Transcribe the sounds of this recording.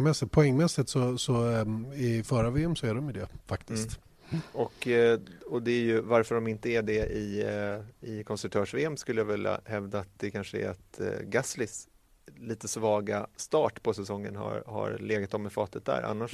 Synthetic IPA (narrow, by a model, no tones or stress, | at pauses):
mɛsːɪt̪̚pʰɔɛŋːmɛsːɪt̪sɔsɔɪfœːɾaveːɛmsɔæd̪ɔmɪd̪ɛːfakt̪ɪst̪ | ɔk | ɔd̪ɛæɾjɵvaɾfœɖɔmɪnt̪əæɖɛʔɪ | ɪkʰɔnsɾkt̪ʰœːʂveːɛmskɵlːəjavɪlːa̰hɛvd̪aːt̪̚d̪ɛkʰanʂəæ̰ɾa̰t̪ɡaslɪs | liːt̪əsvɑːɡast̪ɑːʈpʰɔsɛsɔŋːə̰nha̰ɾha̰ɾleːɡat̪ɔmːɛfɑːt̪ət̪̚d̪æ̰ɾa̰nːaʂ